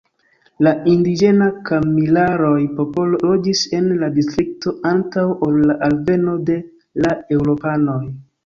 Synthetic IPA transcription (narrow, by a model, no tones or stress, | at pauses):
laindid͡ʒe̞nakamilaɾo̞jpopood͡ʒise̞nladistɾik̚to̞ʔantawolːaʔalve̞no̞de̞ | lae̞wɾo̞pano̞j